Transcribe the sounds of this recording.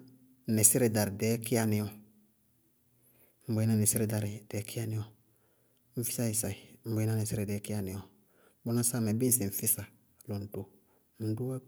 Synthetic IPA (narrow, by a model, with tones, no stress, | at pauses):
ne˨se˦ɾe˨da˨ɾi˨dɛ˨˦ki˦a˦ni˨˦ɔ˨ | m̩˨bo˨˦i˦na˦˨ne˨se˦ɾe˨da˨ɾi˨d̥ɛ˨˦kʰi˦a˦ni˦ɔ˦ | m̩˨fi˦sa˦i˨sa˨i˨m̩˨bo˨˦i˦na˦˨ne˨si˦ɾe˨dɛ˨˦ki˦a˨ni˨ɔ˨˦ | bo˦na˦sa˦˨me˨be˦si˨ɱ̩˨fi˦sa˨ | lo˨n̩˨to˨ | n̩˨˦du˦a˦